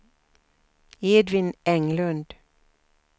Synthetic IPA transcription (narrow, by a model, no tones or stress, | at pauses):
eːd̪ʋɪnɛŋlʉnd̪̥